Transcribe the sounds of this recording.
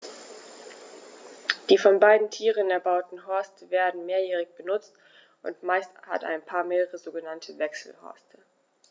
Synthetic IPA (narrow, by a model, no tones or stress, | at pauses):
d̥iːfɔnbaɪdn̩tʰiːʁənɛɐbaʊtn̩ɦɔɐstəveːɐdn̩meːɐjɛːʁ̞ɪçb̥ənʊt͡st | ʔʊ̰ntmaɪstha̰ta̰ɪnpʰaːɐmeːʁəʁəzoːɡənantʰəvɛksl̩hɔ̰ɐstʰə